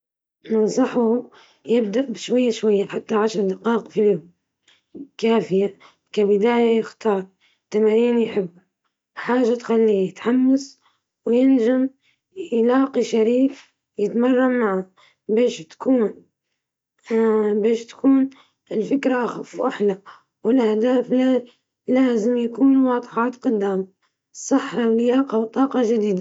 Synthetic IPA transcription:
nɑnsˤɑħʊ | jɪb̚d̪aʔbɪʃwajːaʃwajːaħat̪ːaʕaʃɾˤd̪ɪqɑːqfiljʊm | kaːfɪja | kabɪd̪aːjajɪxt̪ɑːɾˤ | t̪ːamaːɾiːnjħɪbːu | ħaːʒːat̪xalːijɪt̪ħamːas | wjɪnʒam | jlɑːqiʃaɾiːf | jɪt̪mɑrˤːɑmaʕa | beːʃt̪ḁkuːn | beːʃt̪ḁkuːn | ɪlfɪkɾaʔaxafwʔaħla | wɪlʔahd̪aːflaː | laːzɪmjakuːnwɑːd̪ˤħɑːt̪qʊd̪ːaːma | sˤɨħːɑwlɪjaːqɑwt̪ˤɑːqɑʒad̪iːd̪a

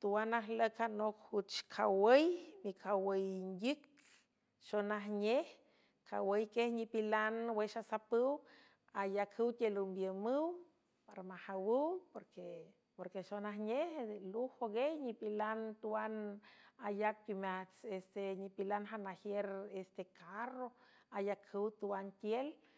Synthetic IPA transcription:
t̪uwanaɦləkhanokhut͡ʃkʰawəjmikʰawəjndɨk̚ | ʃonaɦɲeh | kʰawəjkehɲipilanweʃasapɨw | ajakʰhɨwt̪ʲelumbjəmɨw | paɾamahawɨwpoɾke | poɾkeʃonaɦɲehluhoɡejɲipilant̪uwanajak̚kumat͡sest̪eɲipilanɦanahjeɾest̪ekʰaroajakʰɨwt̪uwant̪ʲjel

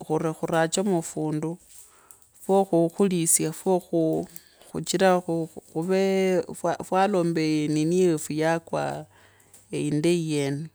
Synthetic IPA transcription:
xuɾixuɾat͡ʃamufuːndu | foxuxulisjafoxu | xṵt͡ʃiɾaxuxuβefwafwalo̞ːmbejeniniefujakwa̰ | eindejene

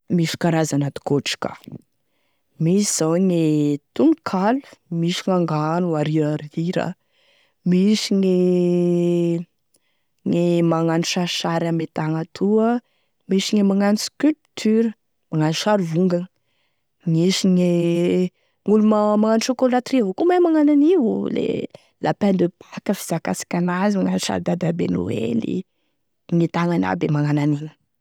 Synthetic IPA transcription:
misi̥kaɾazanat̪u̥koʈ͡ʂi̥ka̰ | misiz̥awŋet̪uŋkʰalu̥misiŋaŋɡanuaɾiɾaɾiɾa̰ | misiŋe | ŋemaŋaniʃaɾiʃaɾamet̪aŋat̪ʰuə | miʃiŋemaŋaniskylpt̪ʰyɾə | maŋanuʃaɾvuŋɡən | ŋisiŋe | ŋulumamaŋanʃokolat̪rivokumamaŋananiwṵlḛ | lʔapand̪epʰḁkəfiz̥akasḁkʲanazimaŋanuʃa̰ɾd̪ad̪abḛnṵḛlḭ | ŋet̪aŋana̰bemaŋananinə̥

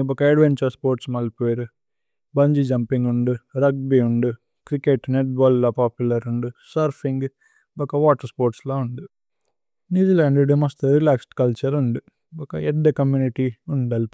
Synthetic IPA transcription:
ɔkɐɐɖʋent͡ʃɐɾspoːɾʈsmɐlpejɾu | bɐɲd͡ʒid͡ʒɐmpiŋɡuɳɖuɾɐɡ̚biuɳɖu | kɾikeʈneʈ̚baːlːoːpaːpjulɐɾuɳɖusɐɾpʰiŋɡ | ɔkɐʋaːʈɐɾspoːɾʈsloːuɳɖi | njuːd͡ʒilaːɳɖɖimɐsʈ̪ɐɾilaːksʈkɐlt͡ʃɐɾuɳɖi | ɔkɐɛɖ̪ːɐkɐmjuːniʈiuɳɖɐli

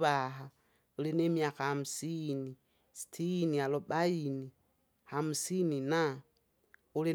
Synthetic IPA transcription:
βaɦa | ulinemiakahamusini | si̥tʰinialoɓaini | hamusinina | uli

